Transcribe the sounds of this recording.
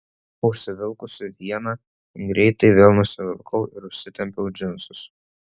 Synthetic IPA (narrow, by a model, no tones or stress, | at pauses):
ʊʃʲsʲɪʋʲɪlˠkʊsʲɪʋʲiɛnɐ | ɡɾʲɛɪt̪ɐɪʋʲeːlˠnʊsʲɪʋʲɪlˠkʰɐʊʔɪɾʊʃʲsʲɪt̪ʲɛmʲpʲɛʊd͡ʒʲɪnsʊs